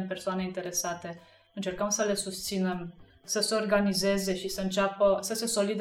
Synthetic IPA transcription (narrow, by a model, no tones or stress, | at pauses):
npe̞rsoane̞int̪e̞ɾe̞sat̪e̞ | ɨnt͡ʃe̞rkəmsəle̞sust̪sine̞m | səseo̞rɡanize̞ze̞ʃisəɨnt͡ʃapəsəse̞so̞lid̪